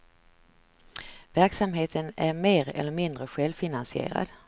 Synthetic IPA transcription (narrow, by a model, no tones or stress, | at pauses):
væɾksamɦeːt̪ʰənæɾmeːɾɛ̰lːəɾmɪnd̪ɾəɧɛlvfɪnansɪḛːɾa̰d̪